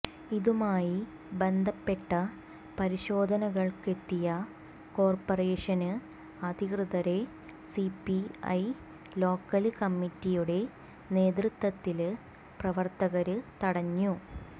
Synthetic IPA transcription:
iðumaːji | be̞nd̪ʱɐpːe̞ʈːɐ | pɐɾiɕo̞ːd̪ʱɐnɐɣɐɭke̞t̪ːijɐ | ko̞ːrporeːʂɐnɨ | ɐd̪ʱikrɨðɐɾe̞ | sipːiɐ̰j | lo̞ːkːɐlkɐmːitːijuɽe̞ | ne̞ːd̪rɨt̪ːɐt̪ːil | prɐʋɐrt̪ɐɣɐɾɨt̪ɐɽɐɲːu

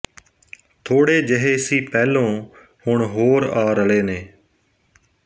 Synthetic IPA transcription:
t̪ʰoːɽeːd͡ʒəɦeːsiːpɛːlõː | hʊɳɦoːɾaːɾəleːneː

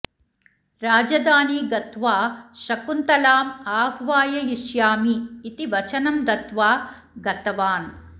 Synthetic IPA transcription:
ɾaːd͡ʒɐd̪aːniːɡɐt̪ʋaːʃɐkunt̪ɐlaːmaːɦʋaːjɐjiʃjaːmiːt̪iʋɐt͡ʃɐnɐmd̪ɐt̪ʋaː | ɡɐt̪ɐʋaːn

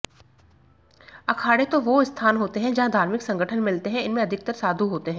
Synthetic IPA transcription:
ɐkʰaːɽet̪oʋoɪst̪ʰaːnɦoːt̪eɦɛ̃d͡ʒɐɦãd̪ʱaːɾmɪksɐ̃ŋɡʱəʈʰənmɪlt̪eɦɛ̃ɪnmẽɐd̪ʱɪk̚t̪əɾsaːd̪ʱuɦoːt̪eɦɛ̃ː

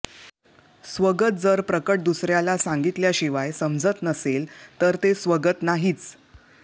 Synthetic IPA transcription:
sʋəɡət̪̚d͡zəɾpɾəkəʈ̚d̪usɾjalasaŋɡit̪ljaɕiʋajsəmd͡zət̪nəselt̪əɾt̪esʋəɡət̪naɦiːt͡s

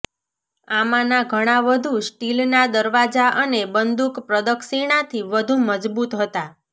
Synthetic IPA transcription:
amãnaɡʱəɽ̃aʋəd̪ʱusʈilnad̪əɾʋad͡ʒaʔənebənd̪ukpɾəd̪əksiɽ̃at̪ʰiʋəd̪ʱuməd͡ʒbut̪ɦət̪a

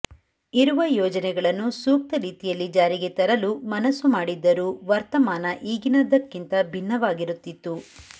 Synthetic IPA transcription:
iɾuʋɐjɔːd͡ʒɐnɛɡɐɭɐnːusuːk̚t̪ɐɾiːt̪ijɐlːid͡ʒaːɾiɡe̞t̪ɐɾɐlumɐnɐsːumaːɽid̪ːɐɾuːʋɐɾt̪ɐmaːnɐʔiːɡinɐd̪ɐkːint̪ɐbʱinːɐʋaːɡiɾut̪ːit̪ːu

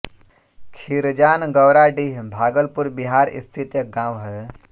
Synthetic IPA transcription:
kʰiɾd͡ʒaːnɡɐwɾaːɖiɦbʱaːɡəlpuɾbiɦaːɾḭst̪ʰit̪jəɡãːwɦə

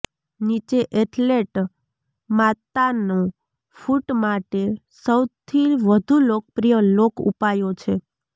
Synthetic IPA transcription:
nit͡ʃeʔeʈleʈ | mat̪anõ | fuʈmaʈe | səwt̪ʰiʋəd̪ʱulok̚pɾijəlokṵpajot͡ʃʰe

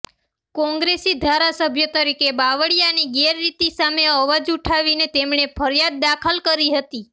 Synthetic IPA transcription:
kɔ̃ŋɡɾesid̪ʱaɾasəbʱjət̪əɾikebaʋəɽijaniɡeɾːit̪isameəʋad͡ʒuʈʰaʋinet̪emɳepʰəɾjad̪̚ːakʰəlkəɾiɦət̪i

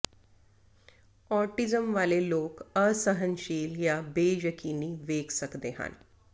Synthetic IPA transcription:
ɔɾʈid͡zəmʋalelokəsəɦənɕiːljabejəkʰiniːʋeɡsəkd̪eɦa̰n

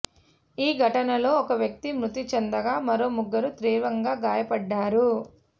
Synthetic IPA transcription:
iːɡʱɐʈɐnɐlo̞ːɔkɐʋjɐk̚t̪imɾut̪it͡ʃɛnd̪ɐɡaːmɐɾo̞ːmuɡːɐɾut̪ɾiːʋɐŋɡaːɡaːjɐpɐɖːaːɾu

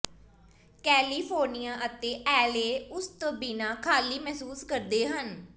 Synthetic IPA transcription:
kɛːliːpʰoːɾnijãːʔət̪eːʔɛːleːʊst̪biːnaːkʰaːliːmɛːsuːskəɾd̪eːɦən

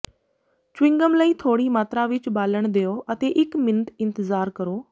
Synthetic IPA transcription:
t͡ʃwɪ̃ŋɡəmləiːt̪ʰoːɽimaːt̪ɾaʋɪt͡ʃbaːləɽ̃d̪ejoːʔɐt̪eʔɪkmɪnəʈ̪ɪ̃nt̪ɪzaːɾkəɾoː

